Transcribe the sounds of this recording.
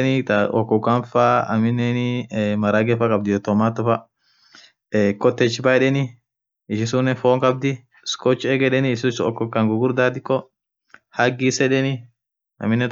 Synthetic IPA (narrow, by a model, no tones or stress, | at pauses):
nɪt̪ɔkːɔkːɐnfaɐ̰mɪnːɛnɪmɐɾaɡɛfɐkʼɐb̚d̪ɪɔt̪ːɔmaːt̪ːɔfɐ | kʼɔt̪ːɛt͡ʃːɪbajᶑɛnɪ | ɪʃɪsʊnːɛfoːŋkʼɐb̚d̪ɪ | skoɔt͡ʃːɛɡɛᶑɛnɪɪsʊsɔkːɔkːɐŋɡʊɡʊɾd̪aːt̪ɪkːɔ | hɐɡisɛᶑɛnɪ | ɐ̰mɪnːɛt̪